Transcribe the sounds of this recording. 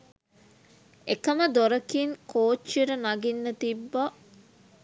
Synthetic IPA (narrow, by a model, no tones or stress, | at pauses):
ekəməd̪oɾɐkinkoːt͡ʃːiɾənaɡinːət̪ibːɐ